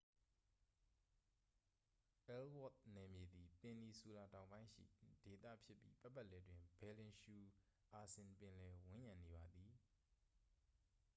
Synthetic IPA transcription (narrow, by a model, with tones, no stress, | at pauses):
ʔɛ˦lwɔ˦˨t̪̚nɛ˨mje˨d̪i˨pɪ̃˨ni˨su˨la˨tã˨ʊ̃bã˦ɪ̃ʃḭ˦˨d̥e˨t̪ä̰˦˨pʰjɪ˦pːjḭ˦pa˦pːa˦ʔlɛ˨dwɪ̃˨mbɛ˨lɪ̃˨nʃu˨ | ʔa˨sɪ̃˨npɪ̃˨lɛ˨wɪ̃˦jã˨ne˨βa˨d̪ði˨